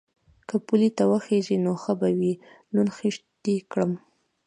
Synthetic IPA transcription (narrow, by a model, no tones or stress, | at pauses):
kəpulit̪awəxeʒinoxəbawilunxiʂt̪ikɽəm